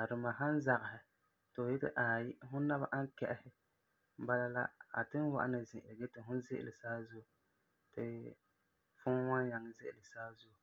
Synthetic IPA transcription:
a˨ɾɨ˨ma˨ɦa˦n˦za˨ɣɪ˨ɦɪ˨ | tɨ˨jɪ˦tɨ̰˦ʔa˨jɦʊ˦na˦ba˦ʔa˦ŋ˦kɛ˨ʔɪ˦hɪ˦ | ba˦la˦la̰˦a̰˨tɨ˦n˦wa̰˨ʔa˦nɨ˨zɪ̃˨ʔlɡɛ˦tɨ˨ɦʊ˦n˦zɪ˦ʔɪ̰˦˨lɨ˨saː˦zʊ˦˨ | tɪ˨ | fʊ˦ŋ˦wa˦nja˨ŋ˦zɪ̰˦ʔɪ˨lɨ˨saː˦zʊ˦˨

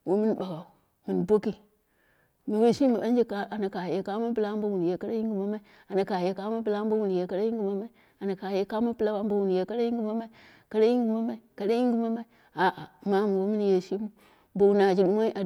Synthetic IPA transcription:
wo˦mi˦n˦ba˨ɡa˨u˨ | mi˨nbo˦ki˦ | mi˨we˦ʃi˦mi˨ɓa˦nd͡ʒi˦ka˨˦ʔa˨na˨ka˨je˨˦ka˦mu˦npɨ˦la˦m˦bo˦wu˨n˨je˨ka˦ɾa˦ji˦ŋɡi˨ma˦ma˦i˦ | a˨na˨ka˨je˨˦ka˦mu˦np̬ɨ˦la˦m˦bo˦wu˨n˨je˨ka˦ɗa˦ji˦ŋɡi˨ma˦ma˦i˦ | a˨na˨ka˨je˦ka˦mu˦npɨ˦la˦wa˦m˦bo˦wu˨n˨je˨˦ka˦a˦ji˦ŋ˦ɡi˦ma˦ma˦i˦ | ka˦ɾa˦ji˦ŋ˦ɡi˨ma˦ma˦i˨ka˦ɗa˦ji˦ŋɡi˦ma˦ma˦i˦ | a˨ʔa˨ma˦m˨wo˦mi˦n˦je˨ʃi˦m˦ | bo˨wu˦na˨d͡ʒi˨ɗu˦ma˦i˦ʔa˨

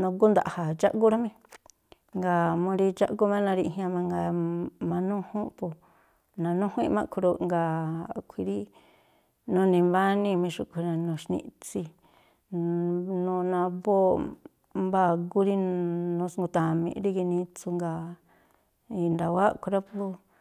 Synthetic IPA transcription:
nõ˧ɡu˦nd̪a˨ha˨t͡ʃa˦ʔɡu˦ɾa˦mẽ˦ | ŋɡa˧mõ˧ɾi˧t͡ʃa˦ʔɡu˦mẽ˦nã˧ɾi˧ɦĩ˧ã˧mã˧ŋɡa˧mã˧nũ˦hũ˦pu˧ | nã˧nũ˦hũ˦ĩ˦˧mã˧kʰu˧ɾo˧ŋɡa˧˨kʷʰi˧ɾi˦ | nũ˧˦nĩ˧mba˦nĩ˧mĩ˧ʂu˧kʷʰi˧ɾã˧nũ˧˨ʃnḭ̃˧t͡si˧ | nũ˧nã˧bo˦ | mba˦˧ɡu˦ɾi˦nũ˧sŋɡu˧t̪ã˨mḭ̃˧ɾi˦˧ki˧nĩ˧t͡su˧ŋɡa˧ | i˧nd̪a˨wa˦kʰʷu˧ɾa˦po˧

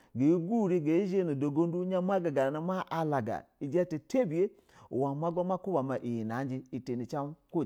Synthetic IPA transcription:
ɡe˨i˦ɡu˦˨ɾi˦ɡe˨˦i˦ʒe˦˨nu˨do˨ɡo˦n˦du˦ɲa˦ma˦ɡa˨ɡa˨na˨˦ma˦ʔa˧la˨ɡa̰˨i˨d͡ʒɛ˦te˨te˦bi˨e˦ | ṵ˨wa˨ma˦ɡa˦m˦a˦ku˦ba˨ma˨ʔi˨ji˨na˨˦nd͡ʒi˦i˨te˨ni˨t͡ʃa˦m˦ko˦˨

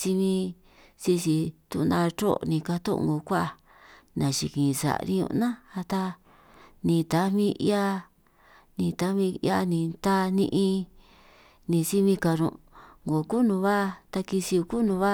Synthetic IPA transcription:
si˧mĩ˧ | si˧si˧t̪u˧nd̪ã˧t͡ʃo̰˦˧nĩ˧ka˧t̪õ̰˦˧ŋɡo˨kʷa˦ʔ | nã˧˨ʃḭ˧kĩ˨˧sa̰˨˧nḭ̃˧ṵ̃˧nã˦a˧t̪a˧ | nĩ˨t̪a˨˦mĩ˦˧ḭ˦a˧ | nĩ˧t̪a˨˧˦mĩ˧ja˧nĩ˨t̪a˦nĩ˧ʔĩ˧ | nĩ˧si˦mĩ˧ka˧nṵ̃˧ŋɡo˨ku˦nũ˧βa˦˧t̪a˧ki˧si˧u˧ku˦nũ˧βa˦

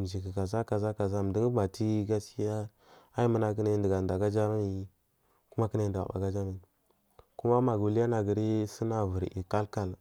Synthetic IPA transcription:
d͡ʒi˨ki˨ka˨za˦ka˨za˦ka˨za˦m˨di˦ŋ˦ba˨ti˦ɡa˦si˦ja˦ | a˦i˦mə˦na˨k̬i˦ne˦ndə˨ɡa˨nda˨ɡa˦d͡ʒa˦ma˦i˨˦ | ku˦ma˦ki˦na˦˨ndɡa̰˨ɓa̰˨ɡa˦d͡ʒa˦ma˨i˨ | ku˦ma˦ma˨ɡu˨li˦ja˦na˨ɡi˨ɾi˦si˦na˨vu˨ɾḭ˨ka˦lka˨l

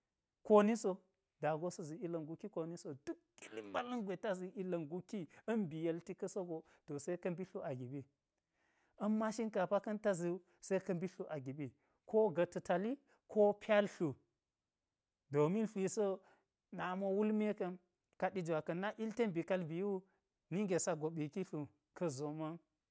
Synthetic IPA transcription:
ko˦ni˦so˦ | da˨ɡo˦so˦zi˨i˦lɐ˨nɡu˨ki˦ko˨ni˦so˨du˦kːi˦li˦mba˦lɐ˦ŋɡʷe˨ta˦zi˨ʔi˦lɐ˨nɡu˦ki˦ɐ˦nbi˨je˨lti˦kɐ˦so˦ɡo˨ | to˨se˦kɐ˦nbi˦ɬu˦ʔa˨ɡi˨ɓi˦ | ɐ˦mːa˦ʃi˦nka˨pa˦kɐ˦nta˦zi˨˦ | sɐ˦i˦kɐ˦mbi˦ɬu˦ʔa˨ɡi˨ɓi˨ | kʰo˦ɡɐ˨tu˨ta˨li˦ | kʰo˦pʲa˦lɬu˨ | do˨mi˦nɬi˨so˦ | na˨mo˦wu˦lme˦kɐ˦n | ka˨ɗi˦d͡ʒwa˨kɐ˨nːa˦ʔi˦lte˦nbi˨ka˦lbi˨˦u˦ | ni˦ŋɡe˨sa˦ɡo˨ɓi˨ki˦ɬu˨ | kɐ˦zo˨ma˦n

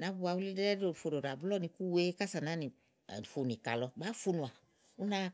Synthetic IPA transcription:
na˨˦bu˧˦a˧˨wu˦li˦dɾɛ˦o˨fo˨ɾo˨ɾa˨bu˦lɔ˦nĩ˧ku˦we˦ka˦sa˨na˨˦nḭ˨ | fo˨n˨i˨ka̰˨lɔ˧ɡ͡ba˨˦fu˦˧nũ˨a˨ | u˦na˦

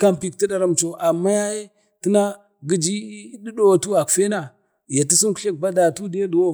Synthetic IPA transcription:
ka˦mpi˨k̚ti˦da˨ɾa˦m˨t͡ʃo˨ʔa˨mːa˦ja˦je˦ | ti˦na˦ | ɡi˦d͡ʒi˦di˦do˦wa˨tu˦a˨kfe˦na˨ | ja˨ti˦si˦nku̥˦e˦k̚ba˦da˨tu˦di˦je˦du˨wo˦

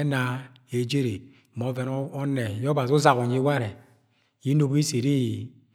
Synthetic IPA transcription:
na˨ | e˨d͡ʒe˦ɾe˨ | mɔ˨˦vɛ˨n˦ɔ˦nɛ˨jɔ˦ba˨zu˦za˨ɣo˨ɲi˦wa˦ɾɛ˨ | ji˨˦no˨bi˦se˨ɾi˦ji˨

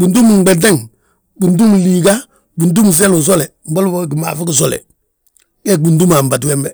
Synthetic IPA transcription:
bu˨ndu˦mu˨ŋ˦ɡ͡be˨nte˦ŋ | bu˨ndu˦mliː˨ɡa˦ | bu˨ndu˦m˨s̬e˦lu˨s̬o˦le˨m̩˨ba˦lu˦bo˦˨ɡi˨ma̰ː˨fɪ˦ɡɪ˨s̬ɔ˦lɛ̰˨ | kɛ˦bu˨ndu˦ma˨mba˨twɛ˦mbɛ˦˨

